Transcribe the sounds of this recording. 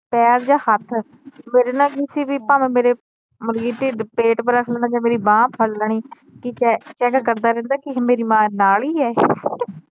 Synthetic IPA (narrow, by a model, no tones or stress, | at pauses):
pɛːɾd͡ʒãːhət̪ʰ | meːɾeːnaːkɪsiːʋiːpaːmeːmeːɾeː | məɾɡiːʈ̪iːpeːʈpəɾəkʰlənd̪aːd͡ʒãːmeːɾiːbãːpʰəlːəɳiː | kɪt͡ʃɛt͡ʃɛːkkəɾd̪aːɾɛ̃ːnd̪aːkɪmeːɾiːmãːnaːliːɛː